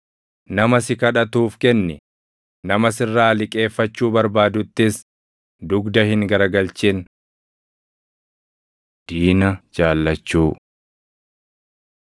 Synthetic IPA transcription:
nɐmɐsɪkɐᶑɐt̪uːfkɛnːɪ | nɐmɐsɪrːaːlɪkʼe̞ːfːɐt͡ʃːuːbɐɾbaːd̪ʊt̪ːɪs | d̪ʊɡd̪ɐhɪŋɡɐɾɐɡɐlt͡ʃɪn | d̪̥iːnɐd͡ʒaːlːɐt͡ʃːuː

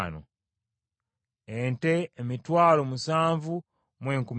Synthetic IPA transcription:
no̰ | ente̞ːmitwaːlo̞musaːɱvu | mwe̞ːŋkum

